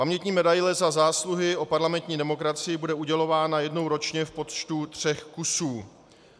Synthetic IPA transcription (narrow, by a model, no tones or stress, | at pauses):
pamɲɛt̪ɲiːmɛdajlɛzazaːsluɦɪʔo̞paɾlamɛnt̪ɲiːdɛmo̞kɾat͡sɪjɪbudɛuɟɛlo̞vaːnajɛdno̞wɾo̞t͡ʃɲɛfpo̞t̪t͡ʃt̪ut̪r̝̥ɛxkusuː